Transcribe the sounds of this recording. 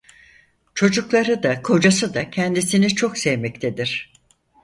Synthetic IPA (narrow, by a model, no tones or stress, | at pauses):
t͡ʃʰo̞d͡ʒuklˠaɾɯd̪akʰo̞d͡ʒasɯd̪acʰɛnd̪isinit͡ʃʰo̞ksɛvmɛc̚t̪ʰed̪iɾ̥